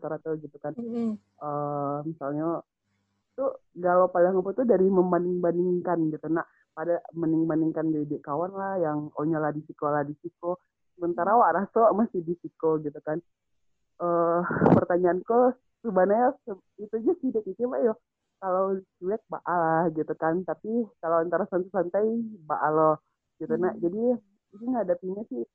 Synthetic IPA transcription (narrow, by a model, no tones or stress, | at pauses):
t̪aɾat̪uɡit̪ukan | əmisalɲa | t̪uɡalopalaŋaput̪udaɾiməmbandiŋbandiŋkanɡit̪unaʔ | padaməniŋbaniŋkand͡ʒaidɛʔkawanlahjaŋoɲalahdisikolahdisiko | səmənt̪aɾawaʔɾasomasɪhdisikoɡit̪ukan | əpərt̪aɲaːnko | subanajas | it̪ud͡ʒasidɛkit͡ʃibajɔ | kalowt͡ʃuɛk̚ba̰ʔalahɡit̪ukant̪apikalawant̪aɾasant̪usant̪aibaʔalɔ | ɡit̪unaʔd͡ʒadi | siŋɡɦadapiɲasɪh